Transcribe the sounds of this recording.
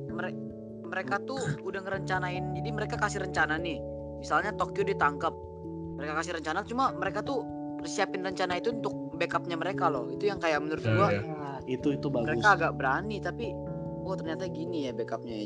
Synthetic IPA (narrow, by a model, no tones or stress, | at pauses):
məɾe | məɾekat̪uudaŋəɾəɲt͡ʃanaɪnd͡ʒadiməɾekakasɪhɾəɲt͡ʃananɪh | misalɲat̪okjodit̪aŋkəp̚ | məɾekakasɪhɾəɲt͡ʃanat̪t͡ʃumaməɾekat̪u | siapɪnrəɲt͡ʃanait̪uːnt̪ʊk̚bekap̚ɲaməɾekalɔhit̪ujaŋkajak̚mənuɾɪt̪̚dua | it̪uit̪ubaɡməɾekaːɡaʔbəɾanit̪api | ɔt̪ərɲat̪aɡinijabekap̚ɲa